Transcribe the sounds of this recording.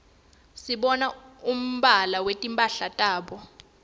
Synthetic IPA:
siɓɔnaum̩ɓalawetʼimpʼaɬatʼaːɓɔ

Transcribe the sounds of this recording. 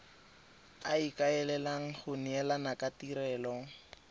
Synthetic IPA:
aikʼaɛlɛlaŋ̩χʊnɛlanakʼatiɾɛːlɔ

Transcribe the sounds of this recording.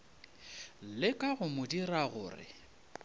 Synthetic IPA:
lɪkʼaɣʊmʊdiraɣʊ̰ːrɪ̰

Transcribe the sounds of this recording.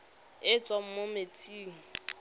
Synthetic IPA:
ɪt͡sʼwam̩mometʰʼiːŋ̩

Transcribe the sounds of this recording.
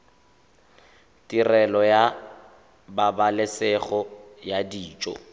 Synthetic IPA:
tʼirɛlɔja | babalɪsɛχɔjadiːt͡ʃʼɔ̰

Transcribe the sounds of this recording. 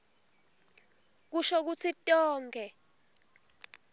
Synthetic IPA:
k̬uʃok̬ut͡sʰitʼɔːŋɡʱɛ

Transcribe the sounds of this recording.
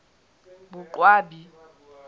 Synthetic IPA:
bʊǃwaːbi

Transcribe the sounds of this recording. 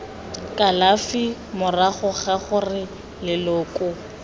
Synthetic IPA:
kʼalafi | mʊraχʊχaχʊrɪ | lɪlʊːkʼʊ

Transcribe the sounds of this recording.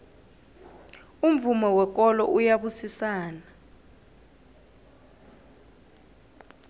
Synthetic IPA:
um̩vumɔwɛk̬ʼɔlɔ̰ʔujaɓusisaːna

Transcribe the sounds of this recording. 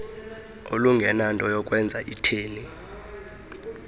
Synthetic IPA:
o̰luŋɡʱɛnantʼɔjɔk̬ʼwɛnd͡zʱaʔitʰeːni

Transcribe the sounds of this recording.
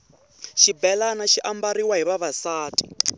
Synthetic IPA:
ʃibɛlanaʃiʔambaɾiwaɦiβaβasaːti̥

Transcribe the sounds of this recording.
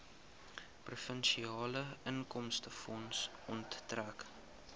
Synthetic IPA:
prufənʃiɑːləəŋkɔmstəfɔnsɔntːræk

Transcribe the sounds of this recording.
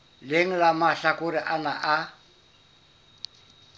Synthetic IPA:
leŋ̩lamaɬakʊɾɪʔanaʔa

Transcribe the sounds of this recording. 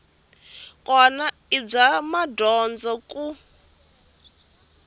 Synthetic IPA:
kʼɔna | ib͡ʐamadɔnd͡zakʼu

